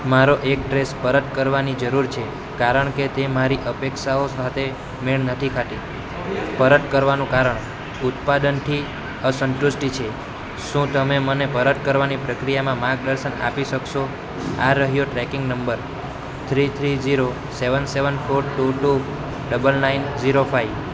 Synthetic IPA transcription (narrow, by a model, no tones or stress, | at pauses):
maɾoʔek̚ʈɾespəɾət̪kəɾʋanid͡ʒəɾuɾt͡ʃʰe | kaɾəɳket̪emaɾiʔəpekʃaosat̪ʰe | meɭnət̪ʰikʰaʈe | pəɾət̪kəɾʋanũkaɾəɳ | ut̪pad̪ənt̪ʰi | əsənʈusʈit͡ʃʰe | ʃũt̪əmemənepəɾət̪̚kəɾʋanipɾəkɾijamãmãɡ̚ɗəɾʃəna̰piʃəkʃo | aɾəɦjoʈɾɛkɪŋɡnəmbəɾ | t̪ʰɾit̪ʰɾid͡ʒiɾo | seʋənseʋənfʰoɾʈuʈu | ɖəbəlnainziɾofʰaiʋ